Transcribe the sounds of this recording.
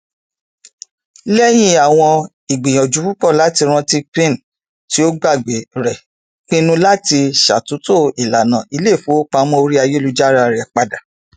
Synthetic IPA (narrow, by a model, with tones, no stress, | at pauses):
lɛ˦j̃ĩ˦a˨w̃ɔ̃˧ | i˨ɡ͡bi˨j̃ɔ̃˨d͡ʒu˨˦fu˦k͡pɔ˦˨la˨˦ti˧ɾ̃ã˧ti˦k͡pĩ˦n˨ | ti˨˦o˦ɡ͡ba˦˨ɡ͡be˨ɾɛ˨ | k͡pĩ˦nũ˦la˦ti˧ʃa̰˨tu˨˦to˦˨i˨la˨nã˨i˧le˦˨fo˨˦k͡pa˧˦mɔ̃˦o˧ɾi˦a˧je˦lu˧d͡ʒa˦ɾa˦˧ɾɛ˨k͡pa˧da˨